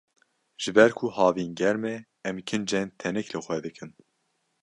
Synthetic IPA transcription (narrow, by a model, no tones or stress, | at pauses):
ʒ̥ɨbɛɾkʰuhɑːvinɡɛɾme | ɛmkʰɨnd͡ʒɛnt̪ʰɛnɛklɨxʷɛd̪ɨkʰɨn